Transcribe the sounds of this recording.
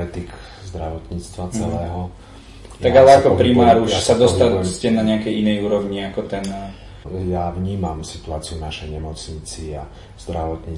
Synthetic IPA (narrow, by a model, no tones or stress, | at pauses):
ɛt̪ik | zd̪ɾaʋɔt̪ɲiːt͡st̪ʋat͡sɛlɛːɦɔ | aɡalɛakɔpɾimaːɾuʃsad̪ɔst̪ascɛnaɲɛakɛjinɛjuːɾɔʋɲiakɔt̪ɛn | javɲiːmamsi̥t̪uaːt͡siunaʃɛjɲɛmɔt͡sɲit͡sia | z̥d̪ɾaʋɔt̪ɲiː